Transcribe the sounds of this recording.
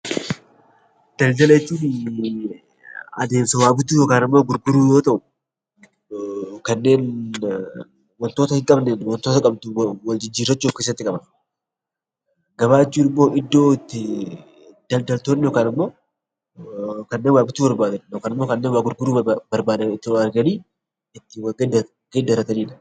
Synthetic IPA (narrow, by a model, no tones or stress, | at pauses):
d̪̥ɐld̪ɐleːt͡ʃ̪ːin | ɐ̰d̪e̞ːnsɐwaːbɪt̪uːjoːkaːnɪmːo̞ːɡʊɾɡʊɾuːjo̞ːt̪ɐʔʊ | kɐnːe̞ːn | wɔnt̪o̞ːt̪ɐhɪŋkʼɐbnɛnwɔnt̪ot̪ɐkʼɐbt̪ʊwɐld͡ʒɪd͡ʒiːɾːɐt͡ʃːuokeːs̬ːɐt̪ːɪkʼɐbɐn | ɡɐβaːt͡ʃːuːnɪmːo̞ːʔɪd̪ːo̞ːɪt̪ːɪ | d̪̥ɐld̪ɐlt̪oːnːɪjoːkaːnɪmːo̞ː | kɐnːeːnwaːbɪt̪uːbɐɾbaːd̪ɐnjoːkaːnɪmːoːkɐnːeːnwɡʊɾɡʊɾuːbɐɾbaːd̪ɐmɪt̪ːɪɐɾɡɐniː | ɪt̪ːɪwɐɡɐɐ | ɡed̪ɐɾɐt̪ɐniːᶑɐ